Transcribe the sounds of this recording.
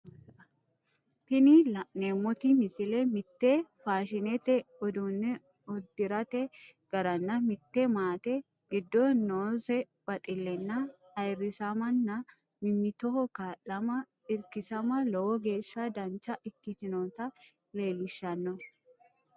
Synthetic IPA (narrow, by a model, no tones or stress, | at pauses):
t̪ɪnɪlɐneːmːɔt̪ɪmɪsɪlɛmɪt̪ːefaːʃɪnɛt̪ɛɔd̪unːɛ | ɔd̪ːɪɾɐt̪ɛɡ̥ɐɾɐnːɐmɪt̪ːɛmaːt̪ɛ | ɡɪd̪ːɔnoːsɛ | b̥ɐt̪ʼɪlːɛnːɐ | ɐjrːɪsɐmɐnːɐ | mɪmːɪt̪ɔkaːʔɐmɐ | ɪɾkɪsɐmɐlɔwɔɡe̞ːʃːad̪ɐnt͡ʃːɐʔɪkːɪt̪ɪnoːt̪ɐ | le̞ːlːɪʃːɐnːɔ